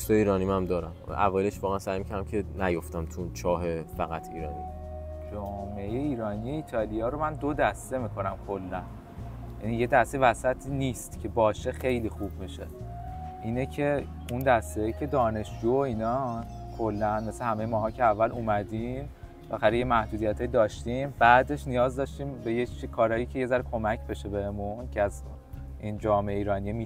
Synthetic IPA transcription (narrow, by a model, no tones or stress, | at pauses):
st̪eiːɾɒːnimæmd̪ɒːɾæm̰ʔævɒːjeleʃvɒːɣeænsæjmicʰæɾd̪æmcʰenæjoft̪æmt̪ʰunt͡ʃʰɒːɦefæɣæt̪ʰiːɾɒːnid͡ʒɒːmejeiːɾɒːnije̞iːt̪ʰɒːlijɒːɾo̞mænd̪o̞d̪æst̪e̞miːkʰo̞næmkʰo̞lːæn | jænije̞d̪æst̪evæsæt̪ʰiːnist̪cʰe̞bɒːʃe̞xe̞jliːxuːbmiʃe̞̰ | ʔiːnecʰe̞ | und̪æst̪ecʰe̞d̪ɒːne̞ʃd͡ʒuːoiːnɒː | kʰo̞lːænme̞sehæme̞jemɒːɦɒːcʰeævːælumæd̪im | bexæɾejemæhd̪uːd̪ijæt̪ʰɒːjid̪ɒːʃt̪imbæːd̪e̞ʃnijɒːzd̪ɒʃt̪iːmbe̞jet͡ʃkʰɒːɾɒːjiːcʰeje̞zæɾkʰo̞mæcʰbe̞ʃe̞behemuncʰeæz | ʔiːnd͡ʒɒːmeeiːɾɒːnijemi